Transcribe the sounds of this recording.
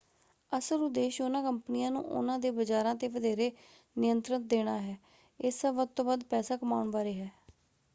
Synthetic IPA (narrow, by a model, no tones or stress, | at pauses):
əsəɾʊd̪ːeːʃʊnãːkəmpənijãːnṵ̃ːʔʊ̰nãːd̪eːbəd͡ʒaːɾãːt̪eːʋəd̪ʱeːɾeː | nɪjənt̪ɾət̪̚d̪eːɽ̃aːɦɛː | ɪsəʋəd̪̚t̪õːbəd̪pɛːsaːkəmaːʊɳʋaːɾeːɦɛː